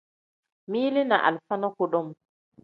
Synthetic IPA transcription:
miːli˦na̰˨ʔa̰˨lfa˦nɔ˦kɔ˨ɗɔ˦m

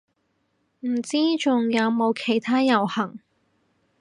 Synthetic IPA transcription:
m̩˨˩t͡siː˥t͡sʊ˨ŋjɐ˨˧wmo˨˧wkʰe˨˩jt̪ʰaː˥jɐ˨˩whɐ˨˩ŋ

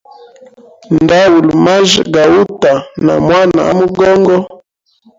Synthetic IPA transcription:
n˨da˦wu˨lma˦ʒɡa˨wu˦ta˨na̰˨mwa˦na̰˨a˦mu˦ɡɔ˦ŋɡɔ˦

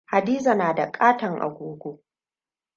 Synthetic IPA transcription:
ha˨diː˦za˨naː˨da˨kʼaː˦tɐ˨ŋʔa̰˨ɡʷoː˦ɡʷoː˦

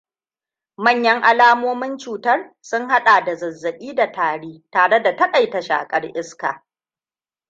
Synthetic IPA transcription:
mɐ˦˨ɲjɐ˦ŋʔa˦laː˦moː˦mɪ˦nt͡ʃuː˨tɐ˦r | sʊ˦ŋɦa˦ɗaː˨da˨zɐ˨zːɐ˨ɓiː˦da˨taː˨ɽiː˦taː˨ɽe˦da˨tɐ˦kʼa˨jta˨ʃa̰ː˨kʼɐ˦rʔɪ˦ska̰ː˨

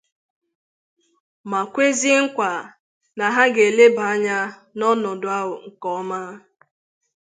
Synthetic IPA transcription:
ma˨kʷe˦zi˦ŋ̩˦kʷa˨ | na˨ɦa˦ɡe˨le˦ba˨a˦ɲa˦ | nɔ˦nɔ˨dʊ˨a˦ɦʊ˨ŋ̩˨kɔ˦ma˦

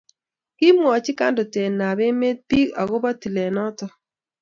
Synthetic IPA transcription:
kɪ˦mwɔ˨t͡ʃɪ˦ka˦ndɔ˨te˨na˨be˦me˦t̚pi˦ka˨ɡo˦ba˦ti˨lɛ˨nɔ˦tɔ˦

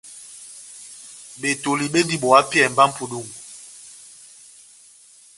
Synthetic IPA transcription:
ɓe˨to˨li˨ɓe˦ndi˦ɓɔ˨a˦pjɛ˦˨m̩˨ba˦m̩˦pu˨ɗu˦˨ŋu˨

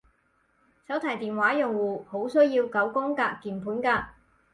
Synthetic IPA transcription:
sɐ˨˥wt̪ʰa˨˩jt̪iː˨˩nwaː˨˥jʊ˨˩ŋwuː˨˩ho˨˥wsɵ˥ɥjiː˧wkɐ˨˥wkɔː˥ŋkaː˧kːiː˨˩npʰuː˨˥nkaː˧

